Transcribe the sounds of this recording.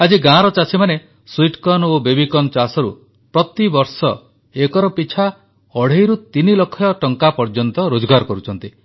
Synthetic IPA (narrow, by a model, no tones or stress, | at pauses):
ad͡ʒiɡãɾɔt͡ʃasʰimane | swiʈkɔnobebikɔnt͡ʃasɔɾṵ | pɾɔt̪ibɔɾsɔ | ekɔɾɔpit͡ʃʰa | ɔɽ̤ejɾut̪inilɔkʰːɔjɔʈɔŋkapɔɾd͡ʒɔnt̪ɔɾod͡ʒɔɡaɾɔkɔɾut͡ʃʰɔnt̪i